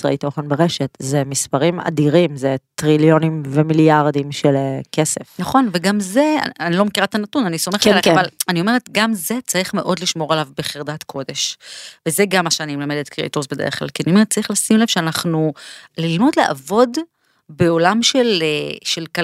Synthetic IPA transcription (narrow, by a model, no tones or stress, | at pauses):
sa̰eto̞χenbeʁeʃetzemispaʁima̰diʁimzet̪ʁiljo̞nimvemiljaʁd̪imʃelekʰesefnaχo̞nveɡamzea̰anilo̞mekiʁatanatunaniso̞meeavalanio̞meetɡamze̞t͡saʁiχmeʔo̞dliʃmo̞ʁalavbe̞χiʁd̪atkʰo̞de̞ʃvezeɡamaʃeanimlamed̪et̪kʁiḛt̪osbe̞d̪eʁeχkla̰lkinimet͡saʁiχlasimlev̥ʃeanaχnulilmo̞dleʔa̰vo̞d | be̞o̞lamʃeleʃelka